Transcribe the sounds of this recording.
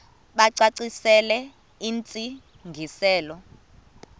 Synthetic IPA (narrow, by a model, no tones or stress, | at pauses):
ɓaǀaǀisɛlɛ | iːnt͡sʼi | ŋɡʱisɛːlɔ